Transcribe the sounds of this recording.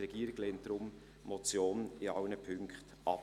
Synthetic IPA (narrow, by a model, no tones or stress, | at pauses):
rɛɡ̥iːɾɪɡ̥lɛːnt̚d̥ɾʊm | mɔt͡sjoːnɪɑʊnəpʰʏŋkχt | ʔɑp